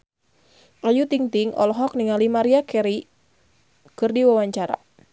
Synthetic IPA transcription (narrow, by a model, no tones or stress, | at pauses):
ʔajut̪iŋt̪iŋɔ̰lɔɦɔk̚niŋalimaɾiakɛɾi | kɨrdiwawaɲt͡ʃaɾa̰